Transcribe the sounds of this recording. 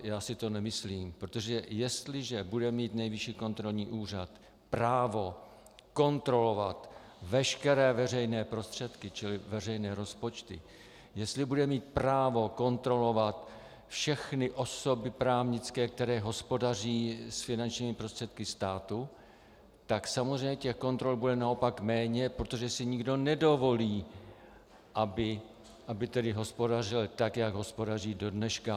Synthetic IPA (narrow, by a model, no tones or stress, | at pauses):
jaːsɪt̪o̞nɛmɪsliːmpɾot̪o̞ʒɛjɛst̪lɪʒɛbudɛmiːt̪nɛjvɪʃiːko̞nt̪ɾo̞lɲiːʔuːr̝at̪ | pɾaːvo̞ | ko̞nt̪ɾo̞lo̞vat̪vɛʃkɛɾɛːvɛr̝ɛjnɛːpɾo̞st̪r̝̥ɛt̪kɪt͡ʃɪlɪvɛr̝ɛjnɛːɾo̞spo̞t͡ʃt̪ɪ̰ | jɛst̪lɪbudɛmiːt̪̚pɾaːvo̞ko̞nt̪ɾo̞lo̞vat̪ | fʃɛxnɪʔo̞so̞bɪpɾaːvɲɪt͡skɛːk̚t̪ɛɾɛːɦo̞spo̞dar̝iːsfɪnant͡ʃɲiːmɪpɾo̞st̪r̥ɛt̪̚kɪst̪aːt̪u | t̪aksamozrejɲɛcɛxko̞nt̪ɾo̞lbudɛnao̞pakmɛːɲɛpɾot̪o̞ʒɛsɪɲɪɡdo̞nɛdo̞vo̞liː | ʔabɪ | ʔabɪt̪ɛdɪɦo̞spo̞dar̝ɪlt̪akjaɡɦo̞spo̞dariːdo̞dnɛʃka